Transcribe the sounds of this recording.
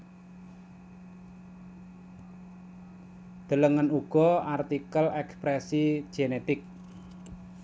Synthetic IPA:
d̪̥ələŋənuɡ̥ɔart̪ikəlɛkspɾɛsi̥ʒ̥enet̪ɪk̚

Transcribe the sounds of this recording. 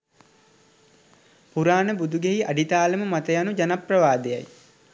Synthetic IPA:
puɾaːnəbud̪uɡeɦiʔaɖit̪aːləməmat̪əjanud͡ʒanaprəʋaːd̪eja̰j

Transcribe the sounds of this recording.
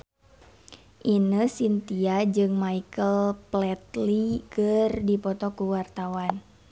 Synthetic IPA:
ʔinəsint̪iad͡ʒɨŋmaikəlplɛt̪likərdipɔt̪ɔkuwart̪awan

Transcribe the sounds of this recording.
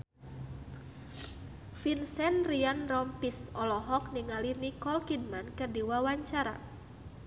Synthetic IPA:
finsɛnrianrɔmpisɔlɔɦɔk̚niŋalinikɔlkid̚mankərdiwawaɲt͡ʃaɾa̰

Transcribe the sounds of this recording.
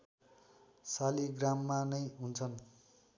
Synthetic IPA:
saliɡramːanʌjɦunt͡sʰʌn

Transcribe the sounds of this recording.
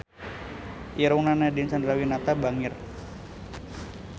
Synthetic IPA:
ʔiɾuŋnanadinsandɾawinat̪abaŋɪr

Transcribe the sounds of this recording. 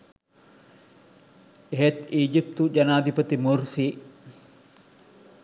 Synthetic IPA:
ɦɛt̪iːd͡ʒɪp̚t̪ud͡ʒɐnaːd̪ɪpɐt̪ɪmʊɾsi

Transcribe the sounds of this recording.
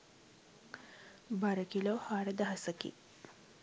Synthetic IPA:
baɾəkilohaɽəd̪aɦɐsəkḭ

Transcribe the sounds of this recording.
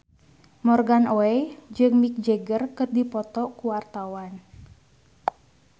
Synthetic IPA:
mɔrɡanoɛd͡ʒɨŋmik̚d͡ʒeɡərkɨrdipɔt̪ɔkuwart̪awan

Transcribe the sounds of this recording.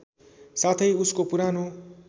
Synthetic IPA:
sat̪ʰʌjuskopuɾano

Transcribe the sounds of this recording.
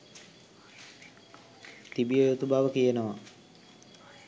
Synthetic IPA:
t̪ibijəjot̪ubaʋəkijenəʋa

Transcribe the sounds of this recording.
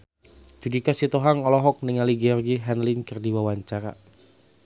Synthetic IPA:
d͡ʒudikasit̪oɦaŋɔlɔɦɔk̚nəŋaliɡɛɔrɡiɦɛnlinkərdiwawaɲt͡ʃaɾa̰

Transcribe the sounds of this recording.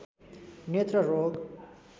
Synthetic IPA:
net̪ɾəɾoːɡ

